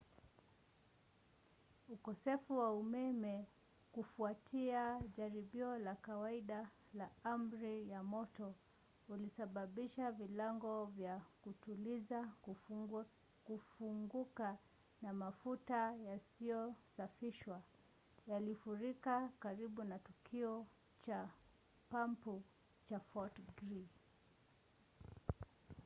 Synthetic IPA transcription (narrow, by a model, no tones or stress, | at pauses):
ukɔsɛfuwaumɛmɛ | kufuatʰiaʄaɾiɓiɔlakawaiɗa | laam̩ɾijamɔtɔ | ulisaɓaɓiʃavilaŋɡɔvjakutuliza | kufuŋɡuka | namafutajasiɔsafiʃwa | jalifuɾikakaɾiɓunatukʰiɔ | t͡ʃa | pampu | t͡ʃafɔtɡɾi